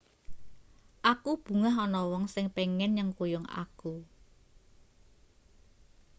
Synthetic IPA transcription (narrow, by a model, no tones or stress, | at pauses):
ʔakub̥ṳŋaɦɔnɔwɔŋsɪŋpeŋɛnɲəŋkojɔŋa̰ku